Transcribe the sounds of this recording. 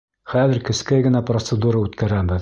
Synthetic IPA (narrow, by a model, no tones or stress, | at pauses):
χæðɘ̆ɾkɘ̆skæjɡɘ̆næprot̪sɘd̪uɾaʉt̪kæɾæbɘð